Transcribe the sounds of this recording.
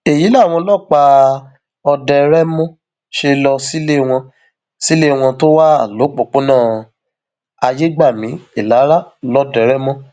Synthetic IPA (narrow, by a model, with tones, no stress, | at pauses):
e˨ji˨˦la˦˨w̃ɔ̃˧lɔ˦˨k͡pa˧ | ɔ˧dɛ˧ɾɛ˦mɔ̃˦ | ʃe˧lɔ˧si˦le˦˧w̃ɔ̃˧ | si˦le˦˨w̃ɔ̃˧to˦wa˦a˨lo˨˦k͡po˨k͡po˨˦nãː˦˨ | a˧je˦ɡ͡ba˦˨mĩ˨˦i˦˨la˨˦ɾa˦˨lɔ˧dɛ˨ɾɛ˦mɔ̃˦